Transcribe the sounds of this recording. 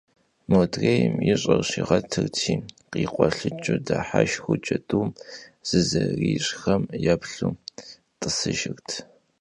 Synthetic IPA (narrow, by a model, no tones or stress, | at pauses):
modrejmjɪɕʼɐrɕiʁɐtʰɨrtʰiː | qiːqʷʼɔɬɨt͡ʃʼɨdaħaʃxʷʊt͡ʃʼɐdʼuːmz̥ɨzɐriːɕʼxɐmjapɬuː | tʼɨsɨʒɪrtʰ